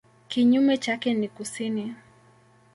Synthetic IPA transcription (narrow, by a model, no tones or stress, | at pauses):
kiɲumɛt͡ʃakɛnikusini